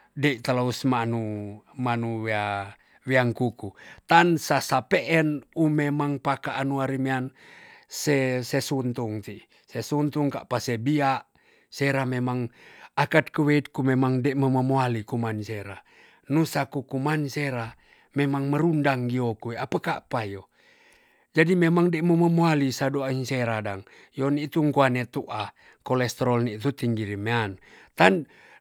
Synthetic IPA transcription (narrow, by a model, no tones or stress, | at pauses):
deit̪alausmanumanuwea | weaŋkukut̪ansasapeʔɛnumemaŋpakaʔːnuaɾimeansesesunt̪uŋt̪i | sesunt̪uŋka̰ʔpasebiaʔ | seɾamemaŋakat̪̚kəweit̪̚kumemaŋdeʔməməmoalikumanseɾa | nusakukumanseɾa | memaŋməɾundaŋɡiokueapəkaʔpajo | d͡ʒadimemaŋdeməməmoalisadoainseɾadaŋ | jonit̪uŋkuanet̪uʔa | kolɛst̪ɾɔlnit̪ut̪iŋɡiɾimeant̪an